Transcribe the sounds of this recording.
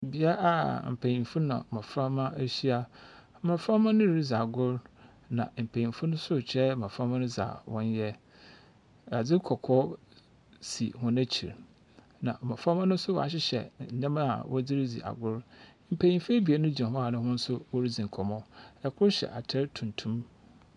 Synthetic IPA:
bi˦a˦ʔa˨m̩˨pʰæ˨ɲĩ˨m˨fu˦nã̰˨ã˨fɾa˦mã˦e˦ɕi˦a˦m̩˦mã˨fɾa˦mã˦nʊ̃˦ɾi˦d͡zi˨a˨ɡʊ˦ɾ | nã̰˨m̩˨pʰæ˨ɲĩ˨mfu˦nʊ̃˦sʊ˦˨t͡ɕʰɛ˦˨mã˨fa˦mã˦nʊ̃˦d͡za̰˨wɔ̃˦n˦jɛ˦ | a˨d͡zɪ˦kʰɔ˨kʰɔ˦ | sḭ˨hʊ̃˦næ˦t͡ɕʰḭ˨ɾ | nã̰˨m̩˨mã˨fa˦mã˦nʊ̃˦sʊ˦wɔ̰˨a̰˨ɕ̬ɪ˦ɕɛ̰˨ɲã˦ma˦a̰˨wʔɔ˦d͡zi˦ɾi˦d͡zḭ˨ʔa̰˨ɡʊ˦ɾm̩˨pʰæ˨ɲĩ˨mfæ˦bi˨a˨˦nʊ̃˦d͡ʑã˨ɦɔ˦a˨nʊ̃˦hʊ̃˦n̩˦sʊ˦wɔ˦ɾi˦d͡zĩ˨ŋ̩˨kʰɔ˨mɔ̃˦ɛ˨kʰʊ˦ɾɕɛ̰˨ʔa˨tʰɛ˦ɾtʰũ˨ntʰũ˦m

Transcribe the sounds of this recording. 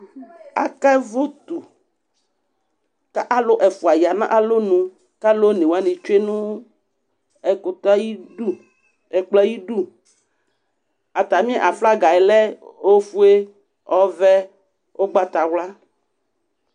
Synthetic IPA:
a̰˨kɛ˦vo˦t̪u˨ | ka˦ʔa˦lo˦ʔɛ˨fu˨a˨ji˨a˨nã̰˦ʔa˨lo˦nũ˨ | ka˦lo˦nẽ˨wa˦nẽ˨t͡ʃe˦nũ˦ | ɛ˨ko˨t̪a˦ji˦u˦˨ | ɛ˨k͡plɛ˦ji˦ɖu˦ | a˨t̪a˨mĩ˦ɛ̃˦ʔa˨fla˦ɡa˨ɛ˨lɛ˦o˦fu˦e˦ | ɔ˦vɛ˦ | ʔo˦ɡ͡ba˦t̪a˨wla˦

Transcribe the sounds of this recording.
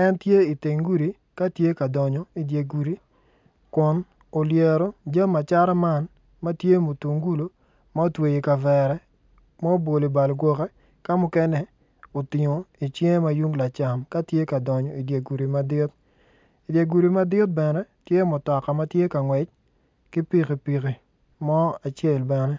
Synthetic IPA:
ɛ˦ntje˦i˨te˨ŋɡu˦ɾi˨ | ka˦tje˦ka˨dɔ˨ɲɔ˨i˨dje˨ɡu˨ɾi˦ | kʊ˨n | o˨lje˨ɾɔ˦d͡ʒa˦mːa˨t͡ʃa˦ɾa˦ma˦n | ma˦tje˦mu˨tu˨ŋɡu˦lo˨ | ma˦o˦twe˨ji˨ka˨vɛ˨ɾɛ˦ | ma˦o˦bo˨li˨ba˨lɡwɔ˨kɛ˦ | ka˦mʊ˦kɛ˦nɛ˦ | o˨tɪ˨ŋo˨i˨t͡ʃje˦ma˨ju˦ŋla˨t͡ʃa˨mka˦tje˦ka˨dɔ˨ɲɔ˨i˨dja˨ɡu˨ɾi˨ma˨dɪ˦t̪̚ | i˨dja˨ɡu˨ɾi˨ma˦dɪ˦t̚bɛ˨nɛ˦tje˦mʊ˨tɔ˨ka˨ma˦tje˦ka˨ŋwɛ˨t͡ʃ̚ | kɪ˦pi˦˨ki˨pi˨ki˨ | mɔ˦a˨t͡ʃe˦˨lbɛ˨nɛ˦

